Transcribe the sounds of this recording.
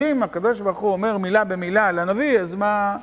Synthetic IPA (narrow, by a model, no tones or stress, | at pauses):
imakad̪o̞ʃbaʁχuome̞ʁmilabe̞milalanaviazma